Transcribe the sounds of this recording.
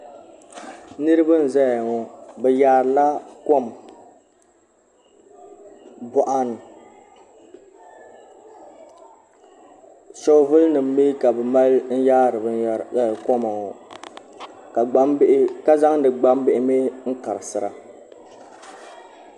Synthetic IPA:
nɨ˦ɾɨ˦ba˦n̩˨za˦jŋɔ˨bɛ˨jaː˨˦˨ɾla˦ko˦˨m | bɔ˨ʔa˨n˨ | so˦vɨ˦lnɨ˨m̩ː˦eː˦ka˨bɛ˨ma˦ln̩˦jaː˦ɾɨ˨bɨ˦a˨kɔ˦ma˨ŋɔ˨ | ka˨ɡ͡ba˦m˦ʔka˦za˦ŋdɨ˨ɡ͡ba˦mbɪ˦ʔɪ˦meː˦ŋ̩˦ka˨ɾɨ˨sɨ˨ɾa̰˨

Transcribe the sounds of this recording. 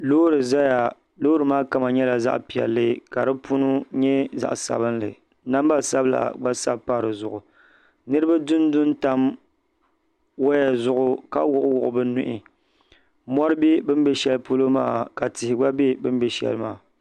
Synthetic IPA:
lo˦ɾɨ˨za˦ja˨ | loː˦ɾɨ˨maː˦ka˨ma˨ɲɛ˦la˨za̰˦ʔpi˨ɛ̰˨lːɨ˦ka˨ɾɨ˦pu˦nʊ˦ɲɛ˦za̰˨ʔsa̰˨bɨ˦nlɨ̰˨ | na˦m˦ba˦˨sa˦bɨ˦la̰˨ɡ͡ba˦sa̰˦bpa˦ɾɨ˨zʊ˨ʔʊ˨ | nɨ˦ɾɨ˦ba˦dʊ˦n˦dʊ˦nta˦m | wa˦ja˨zʊ˦ʔʊ˦ka˦wʊ˦˨ʔʊ˦wʊ˨ʔʊ˨bɨ˦nʊ˦ʔɪ˨ | mɔ˦ɾɨ˦be˦bɨ˦m˦bɛ˦ʃɛ˦lpu˦lo˦ma̰ː˦˨ka˨tɪ˨hɪ˨ɡ͡ba˦be˦bɨ˦m˦bɛ˨ʃɛ̰˦˨lɨ˦maː˦˨

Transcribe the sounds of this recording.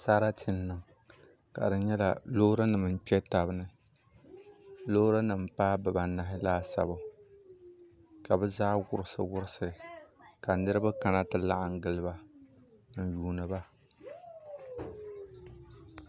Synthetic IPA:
sa˦ɾa˦tʰɪ˨nːɨ˨ŋ | ka̰˨dɨ˨ɲɛ˦la̰˨loː˦ɾa˦nɨ˨mɨ˨n̩˦pɛ˦ta˨bɨ˦nɨ˦ | lo˦ɾa˦nɨ˨mpaː˦bɨ˨ba˨na˦ɦɪ˦laː˦sa̰˨bʊ˨ | ka˨bɛ˦zaː˦wʊ˨ɾɨ˦sɨ̰˨wʊ˦ɾɪ˦sɨ˨ɾɨ˨ka˨nɨ˦ɾɨ˦ba˦ka˨na˦tɨ˨la˦ʔɪ˨ŋ˦ɡɨ˦lɨ˦ba˦ | n̩˨juː˨˦nɨ˨ba˦

